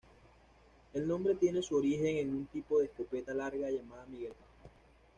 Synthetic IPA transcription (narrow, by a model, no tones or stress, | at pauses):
e̞lnõ̞mbɾe̞t̪je̞nesuoɾixe̞ŋenũnt̪ipo̞ðeːskope̞t̪alaɾɣaʝamaðamiɣelpa